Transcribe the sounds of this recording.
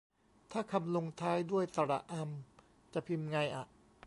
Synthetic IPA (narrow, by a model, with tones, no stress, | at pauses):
t̪ʰaː˥˩kʰa˧mlo˧ŋt̪ʰaː˦˥jdu˥˩əjt̪a˧ɾa̰˨˩ʔʔa˧m | t͡ɕa˨˩pʰi˧mŋa˧jʔa˨˩ʔ